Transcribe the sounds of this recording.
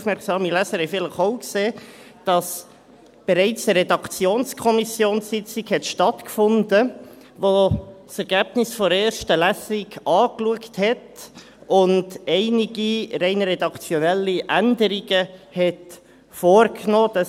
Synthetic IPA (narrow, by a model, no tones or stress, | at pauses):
fmɛɾksɑːmilæsəɾhɛɪfɪləχoʊkseː | d̥ɑs | b̥ɛɾɛɪt͡səɾɛdɑkt͡sjoːnskʰɔmisjoːnssɪt͡sikhɛtʃtɑtkfʊndə | ʋosɛɾɡ̥æb̥nɪsfɔɾeːɾʃtəlæsiɡɑːkluəkthɛt | ʊndɛɪniɡiɾɛɪnɾɛdɑkt͡sjɔnɛlːiʔændəɾiɡəhɛt | foːrknoːd̥ɑ